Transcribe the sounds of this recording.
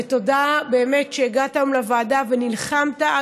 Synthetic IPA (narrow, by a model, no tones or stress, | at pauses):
eto̞dabe̞ːmetʃeːɡatajomlavaːdavenilχamta